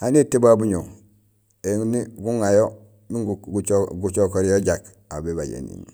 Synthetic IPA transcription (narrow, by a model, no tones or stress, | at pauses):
anitibabuɲo | eŋuniɡuŋajo | miŋɡɡut͡ʃokoɾjoɟak | a̰bebaɟḛnḭn